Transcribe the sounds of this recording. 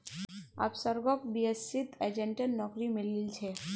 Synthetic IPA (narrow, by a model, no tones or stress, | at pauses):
a̰ːpsəɾɡɔkbiesːit̪ed͡ʒeɳʈənːɔːkɾimɪlilt͡ʃʰe